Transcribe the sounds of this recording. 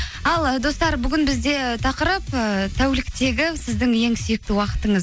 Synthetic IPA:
ɑlˠəd̪o̞st̪ɑɾbʏɡʲɪnbɪzd̪e̞t̪ʰɑqəɾəpət̪ʰæwlɪkt̪e̞ɡʲɪsɪzd̪ɪŋje̞ŋsʏjɪk̚t̪ɪwɑqə̥t̪əɴəz

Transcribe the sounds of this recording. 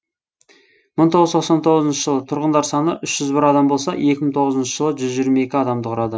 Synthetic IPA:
məɴt̪ʰo̞ʁəzt̪ʰo̞q̪sɑnt̪ʰo̞ʁəzənʃə̥ʒəlˠət̪ʰʊɾʁənd̪ɑɾsɑnəʔʏʃʒ̥ʏzbɪɾɑd̪ɑmbo̞lˠsɑ̰je̞kʲɪmɪŋt̪ʰo̞ʁəzənʃəʒəlˠəʒʏzʒijɾmɑe̞kʲɪɑd̪ɑmd̪əqʰʊɾɑd̪ə

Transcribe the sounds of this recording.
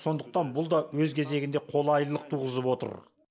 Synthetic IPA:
so̞nd̪əq̚t̪ɑnbʊlˠd̪ɑwɵzkʲʰe̞ze̞ɡʲɪnd̪e̞qʰo̞lˠɑjllˠəq̚t̪ʰuʁəzəpwo̞t̪ə̰ɾ

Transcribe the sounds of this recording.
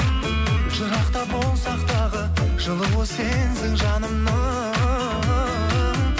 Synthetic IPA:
ʒ̥ʊɾɑqt̪ɑbo̞lˠsɑqt̪ɑʁəʒ̥əlˠəbosenzɪŋʒɑnəmnə

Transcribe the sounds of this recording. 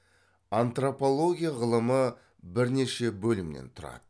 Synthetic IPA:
ant̪ropo̞lˠo̞ɡʲijaʁəlˠəmə | bɪɾne̞ʃe̞bɵlɪmnḛnt̪ʰʊɾɑ̰d̪̥ə

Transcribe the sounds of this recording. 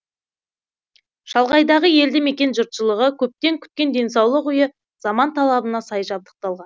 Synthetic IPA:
ʃɑlˠʁɑjd̪ɑʁəje̞ld̪ɪme̞kʲe̞nʒʊɾt̪ʃəlˠəʁəkʲʰɵp̚t̪e̞ŋkʲʰʏ̥t̪̚kʲe̞nd̪e̞nsɑwlˠəqʏjə | z̥ɑmɑnt̪ʰɑlˠɑbənɑsɑjʒɑb̚d̪ə̥q̚t̪ɑlˠʁɑn

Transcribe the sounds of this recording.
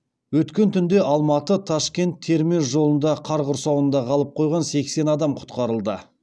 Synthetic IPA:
wɵt̪kʲe̞nt̪ʰʏnd̪e̞ɑlˠmɑt̪ət̪ʰɑʃkʲe̞nt̪ʰːe̞ɾmesʒo̞lˠənd̪ɑqʰɑɾʁʊɾsɑwənd̪ɑʁʰɑlˠəp̚qʰo̞jʁɑnse̞kse̞nɑd̪ɑmqʰʊ̥t̪qɑɾəlˠd̪ə

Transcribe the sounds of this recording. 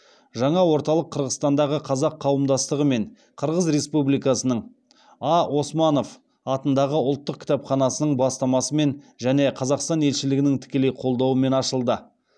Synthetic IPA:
ʒɑɴɑwo̞ɾt̪ɑlˠəqʰːəɾʁəst̪ɑnd̪ɑʁəqʰɑzɑqʰːɑwəmd̪ɑst̪əʁəme̞ɴ | qʰəɾʁəzɾe̞spublijkɑsənəɴ | ɑo̞smɑno̞f | ɑt̪ənd̪ɑʁəʊlˠt̪ːəq̚kʲʰɪ̥t̪ɑpχɑnɑsənəɴbɑst̪ɑmɑsəme̞nʒæne̞qʰɑzɑqst̪ɑne̞lʃɪlɪɡʲɪnɪŋt̪ʰɪ̥kʲe̞le̞jqʰo̞lˠd̪ɑwəme̞nɑʃəlˠd̪ə

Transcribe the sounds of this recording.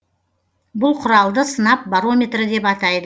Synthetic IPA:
bʊlˠqʰʊɾɑlˠd̪əsənɑp̚baɾo̞mʲe̞t̪ɾəd̪e̞pɑt̪ɑjd̪ə

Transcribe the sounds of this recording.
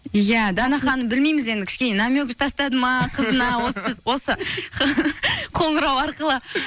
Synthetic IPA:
jæd̪ɑnɑχɑnəbɪlmejmɪze̞nd̪ɪkʲʰɪ̥ʃkʲe̞nenɑmʲøɡʲɪʒt̪ʰɑst̪ɑd̪əmɑqʰəzənɑwo̞sɪzwo̞sə | qʰo̞ɴəɾɑwɑɾqəlˠə

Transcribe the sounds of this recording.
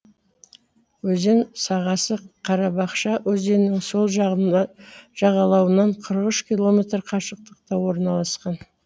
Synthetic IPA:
wɵze̞nsɑʁɑsəqʰɑɾɑbɑqʃɑwɵze̞nɪŋso̞lˠ | ʒ̥ɑʁɑlˠɑwənɑɴqʰəɾəʁʏʃkʲilˠo̞me̞t̪rqʰɑʃəq̚t̪əqt̪ɑwo̞ɾnɑlˠɑsqɑn

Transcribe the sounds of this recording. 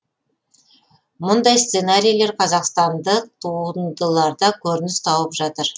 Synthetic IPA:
mʊnd̪ɑjst̪senaɾʲijlˠe̞ɾqʰɑzɑqst̪ɑnd̪əqt̪ʰund̪əlˠɑɾd̪ɑkʲʰɵɾɪnɪst̪ʰɑwəpʒɑt̪əɾ

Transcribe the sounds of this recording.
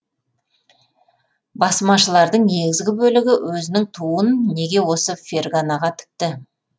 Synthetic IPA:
bɑsmɑʃəlˠɑɾd̪əɴne̞ɡʲɪzɡʲɪbɵlɪɡʲɪwɵzɪnɪŋt̪ʰuənːe̞ɡʲe̞wo̞səfʲerɡanaʁɑt̪ʰɪ̥k̚t̪ɪ

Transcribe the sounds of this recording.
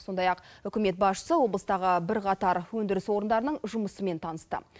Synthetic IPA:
so̞nd̪ɑjɑqʏkʲɪme̞t̪̚bɑsʃə̥səwo̞blˠəst̪ɑʁəbɪɾqʰɑt̪ɑɾwɵnd̪ɪɾɪswo̞ɾənd̪ɑɾənəɴʒʊməsəme̞nt̪ʰɑnəst̪ə̰

